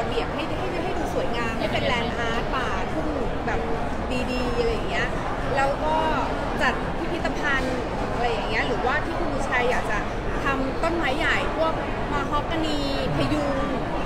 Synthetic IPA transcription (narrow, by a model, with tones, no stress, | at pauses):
a˧bi˨˩ək̚ɦa˥˩jɦa˥˩jma˥˩ɦa˥˩jduː˧su˨˩˦jŋaː˧mɦa˥˩jpe˧nlɛː˧nʔaː˦˥t̪̚paː˧˩t̪ʰu˥˩ŋ˨˩bɛː˨˩p̚ | diː˧diː˧ʔa˧ljːa˨˩ŋːi˦˥ɐʔ | lɛː˦˥wkɔː˥˩ | t͡ɕa˨˩t̪̚pʰi˦˥t̪ʰi˦˥t̪ːa˧pʰa˧n˨˩ | a˧ɾa˧jːa˨˩ŋːi˦˥ɐʔɾɯː˩˦waː˥˩t̪ʰiː˥˩kʰu˧nu˧˥t͡ɕʰaː˧jːaː˨˩k̚t͡ɕa˨˩ | t̪ʰa˧mt̪o˥˩nmaː˦˥jːa˨˩jpʰu˥˩ək̚ | maː˧ɦʰɔ˦˥kːa˧niː˧ | pʰa˧jduː˧ŋ